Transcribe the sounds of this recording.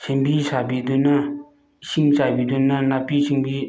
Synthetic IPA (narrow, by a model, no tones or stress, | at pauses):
ɕʰenpiɕapid̪unːa | ɕʰimɕapiːd̪unːanapiɕiŋpi